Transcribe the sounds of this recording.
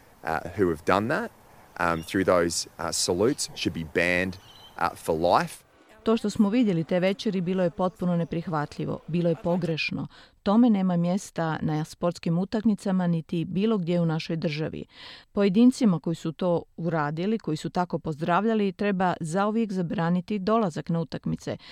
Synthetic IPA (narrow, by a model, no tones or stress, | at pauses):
ʔhʉɨvdʌ̰̃nðæt̚ | ʔθɹʉðoʊz̥səlʉtsʃɨd̚bibæ̃nd̥̰fə˞la̰ɪf | t̪o̞ːʃt̪o̞smoʋid̪je̞lit̪e̞ːʋe̞t͡ʃeɾibiːlˠo̞je̞po̞t̪̚puno̞ne̞pɾixʋat̪ʎiʋo̰biːloje̞po̞ɡɾe̞ʃno̰t̪o̞me̞ne̞ːmamje̞st̪anaaspo̞ɾt̪skimut̪akmit̪samanit̪ibiːlˠo̞ɡd̪jeunaʃo̞jd̪r̩ʒa̰ʋḭpo̞je̞d̪iːnt̪simako̞jisut̪o̞ːuɾaːd̪iliko̞jisut̪ako̞po̞zd̪ɾaːʋʎalit̪ɾe̞bazauʋje̞kzabɾaːnit̪id̪o̞lazaknaut̪akmit̪se̞̰